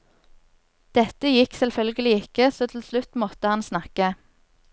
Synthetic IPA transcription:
d̪̥ɛt̪əjɪksɛlfœlɡəlɪɪkəsoːt̪ʰl̩slʉt̪mɔt̪əhɑnsnɑkə

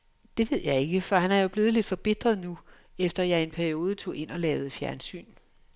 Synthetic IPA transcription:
d̥e̝ʋe̝ð̞̰ˠjɑ̈ɪe̝ɡ̥əfɒ̽hænhæɐjo̝b̥le̝ːð̞̩ˠle̝d̥fɒ̽b̥e̝d̥ʁɐðˠnu | efd̥ɐjɑ̈ɪe̝npʰæɐio̝ːð̞ˠət͡sʰo̝̰ːe̝n̰ɒ̽lɛːʊð̩ˠfjæɐnsy̰ːn

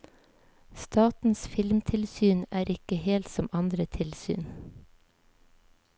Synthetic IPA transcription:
st̪ɑːt̪n̩sfɪlmt̪ʰɪlsyːnæːɾʔɪkəheːlt̪sɔmɑnd̪ɾət̪ʰɪlsy̰ːn

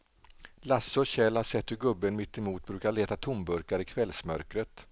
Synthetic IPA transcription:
lasɔɕɛlhaʂɛt̪ːhɵɾɡɵbːənmɪt̪ːɪmuːt̪̚bɾʉ̟ːkaɭeːt̪at̪ʰʊmbɵɾkaɾɪkʰvɛlsmœɾkɾət̪

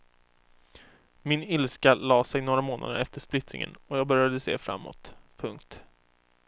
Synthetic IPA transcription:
mɪnɪlskalɑːsɛjnoːɾamoːnʔa̰d̪əɾɛft̪əʂplɪt̪ɾɪ̰ŋə̰nɔjɑːɡbœɾjad̪əsḛːfɾa̰mːɔ̰t̪pʰɵŋk̚t̪

